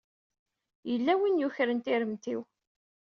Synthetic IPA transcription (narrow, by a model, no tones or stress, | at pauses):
jəlːæwinjuçɾənt̪iɾəmt̪iw